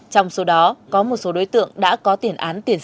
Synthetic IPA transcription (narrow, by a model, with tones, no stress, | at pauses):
t͡ɕɔ˧wŋ͡mso˨˦ɗɔ˨˦kɔ˨˦mo˨˩t̚so˨˦ɗo˨˦jt̪ɨ̰˧˨əŋɗa̰ː˧˥kɔ˨˦t̪i˧˩ənʔaː˨˦nt̪i˧˩ən